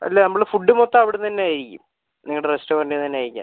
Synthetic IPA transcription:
ɐ̰lːenɐmːɐɭfuɖːɨmot̪ːaɐʋiɽet̪ɐnːeaːjiɾikʲːṵm | niŋːɐɭɽerestoːrɐndenɐnːeaːjiɾikʲːa̰

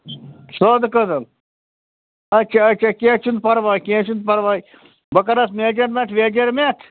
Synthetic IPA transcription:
soːd̪ɨkəd̪ɐm | ɐt͡ʃʰaɐt͡ʃʰakẽːt͡ʃʰund̪̚pɐɾʋaːjkẽːt͡ʃʰund̪̚pɐɾʋaːj | bɐkɐɾɐsmeːd͡ʒɐɾmet̪ʰʋeːd͡ʒɐɾmet̪ʰ

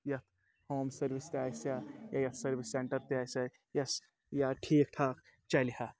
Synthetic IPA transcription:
jɐt̪ʰ | hoːmsɐɾʋist̪eaːjsjajajɐt̪ʰsɐɾʋisːeɳʈəɾt̪eaːsɐ | jɐs | jaʈʰiːk̚ʈʰaːk | t͡ʃɐlihaː

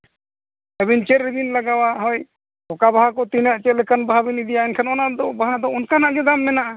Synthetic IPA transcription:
əbint͡ʃeɾib̪inlaɡawaɦɔj | ɔkabaɦakɔt̪inaʔt͡ʃɛlɛkanbaɦabinid̪ijaɛnkʰanɔnaʔd̪ɔbaɦad̪ɔunkanaʔɡɛd̪amːɛnaʔa

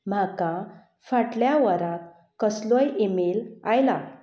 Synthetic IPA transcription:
m̤aka | faʈljaʋəɾat̪ | kəslɔjemelajla

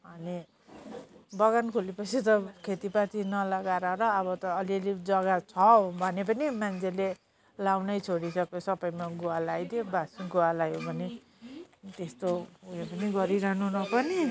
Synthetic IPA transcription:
ʌni | bʌɣankʰulipʌt͡sʰit̪ʌkʰet̪ipat̪inʌlʌɡaɾaɾʌːβʌt̪ʌːliʌlid͡zʌɡat͡sʰʌbʱʌnep̬ʌnimant͡sʰele | lawnʌjt͡sʰoɽisʌkesʌpʌjmaɡualajd̪jobasiɡuwalajjobʱʌne | t̪est̪ouepʌniɡʌɾiɾʌɦnunʌpʌni

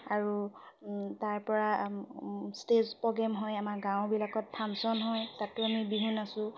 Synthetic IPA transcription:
aɹu | taɹpɔɹa | stezpɔɡɛmɦɔjamaɹɡãwbilakɔt̚pʰamsɔnɦɔjtatːuamibiɦunasʊ̃

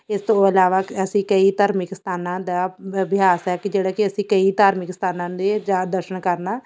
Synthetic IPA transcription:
ɪst̪õːəlaːʋaːəsĩːkəiːt̪aːɾmɪkst̪aːnãːd̪aːbɪaːsɛːkɪd͡ʒeːɽaːkɪəsĩːkəit̪aːɾmɪkst̪aːnãːd̪eːd͡ʒaːd̪əɾʃəɳkəɾnaː

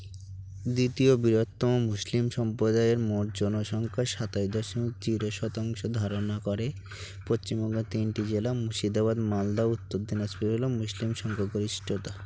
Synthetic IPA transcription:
d̪it̪iobiɾot̪ːɔmomuslimʃɔmpɾod̪aeɾmoʈd͡ʑɔnoʃɔŋkʰaʃat̪ajd̪oʃmikt͡ɕiɾoʃɔt̪aŋʃod̪ʱaɾonakɔɾe | post͡ɕimbɔŋɡot̪inʈid͡ʑelamuʃid̪aβad̪mald̪aut̪ːod̪ʱːinaspiolomuslimʃɔŋkʰaɡoɾiʃʈʰot̪a

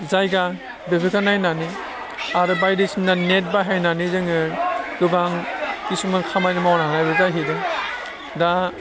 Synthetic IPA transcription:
zajɡa | bebekʰanajnani | aɾɯbajdɯsinnanet̚baɦajnanizɯŋɯɡɯbaŋkisumɯkʰamajnɯmawnaɦanajbɯzajɦidɯ | da

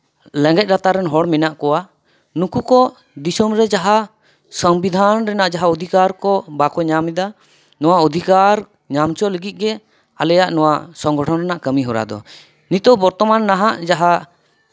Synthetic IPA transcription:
lɛ̃ŋɡɛc̪̚ˀɾat̪aɾɛnɦɔɽmɛnaʔkɔwa | nukukɔ | d̪isɔmɾɛd͡ʒaɦa | səmbid̪ʱanɾɛnaʔd͡ʒaɦaɔd̪ʱikaɾkɔbakɔɲamɛd̪a | nɔwaɔd̪ʱikaɾ | ɲamt͡ʃɔləɡit̪̚ˀɡɛ | alɛjaʔnɔwasɔŋɡɔʈʰɔnɾɛnaʔkəmiɦɔɾa̰d̪ɔ̰ | nit̪ɔbɔɾt̪ɔmanːaɦaʔd͡ʒaɦa

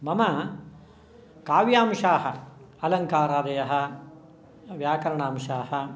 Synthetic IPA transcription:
mɐmɐ | kaːʋjaːmʃaːɦɐ | ɐlɐŋkaːɾaːd̪ɐjɐɦɐ̆ | ʋjaːkɐɾɐɳaːmʃaːɦɐ

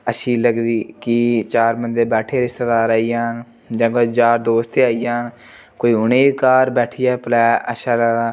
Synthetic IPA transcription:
əʃiːləɡd̪iːkit͡ʃaːɾmənd̪eːbɛːʈʰeːɾɪst̪ed̪aːɾaːiːjãːn | d͡ʒãːkoid͡ʒaːɾd̪oːst̪ʰeːaːijaːn | koːiːʊneːikaːɾbɛːʈʰijaːplɛːə̰ʃaːlaːd̪aː

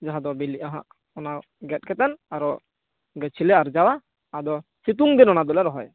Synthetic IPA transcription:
d͡ʒaɦad̪ɔbiliʔaɦã̰ʔ | ɔna | ɡɛt̪̚ˀkɛt̪ɛnaɾɔ | ɡɛt͡ʃʰilɛaɾd͡ʒawa | ad̪ɔsit̪̬uŋd̪ɛnɔnad̪ɔlɛɾɔɦɔj

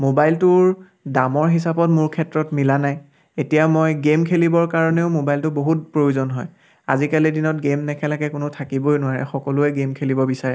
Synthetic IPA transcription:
mobajltʊɹ | damɔɹɦisapɔtmʊɹkʰɛtɹɔtmilanaj | etijamojɡemkʰelibɔɹkaɹɔneʊmobajltʊboɦut̚pɹojuzɔnɦɔj | a̰zikalidinɔt̚ɡemnɛkʰɛlakɛkʊnʊtʰakibojnʊwaɹɛ̰xɔkɔlʊɛɡemkʰelibɔbisaɹɛ

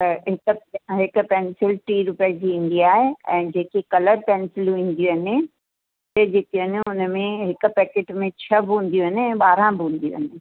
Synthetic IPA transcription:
t̪ɐɦɪkɦɪkʊ̆pɛːnsɪlʈiːɾʊpiad͡ʑiːɪ̃nɳ̆d̪iaːɦeɛ̃ːd͡ʑeːkekɐləɾpɛːnsɪlʋĩːn̆d̪ijuɦɐnɪ | t̪ed͡ʑeːk̪iɐnɪ̆ʊnəmẽɦɪkʊ̆pɛːkeːʈmẽt͡ɕʰɐbɪũːn̆d̪ijuɦɐnɪɛ̃ːɓaːɾãbʱɪũːn̆d̪ijṵɦɐnɪ̆

